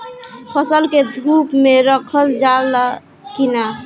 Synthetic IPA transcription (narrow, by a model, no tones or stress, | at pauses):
pʰəsəlked̪ʱupmeɾəkʰəld͡ʒal | kina